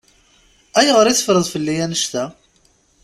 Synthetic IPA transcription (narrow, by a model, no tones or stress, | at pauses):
æjəʁəɾiθə̥fɾəðˤfəlːijænəʃt̪æ